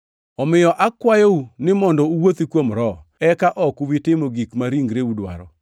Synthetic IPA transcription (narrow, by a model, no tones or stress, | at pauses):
ɔmɪjɔʔakwajounɪmɔndɔuwot̪ikwomɾɔɛkaʔɔkuwitɪmoɡikmaɾiŋɡɾeudwa̰ɾɔ